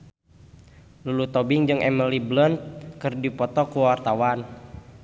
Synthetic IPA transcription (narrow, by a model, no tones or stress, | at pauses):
lulut̪ɔbiŋd͡ʒɨŋʔɛməliblənt̪̚kɨrdipɔt̪ɔkuwwart̪awan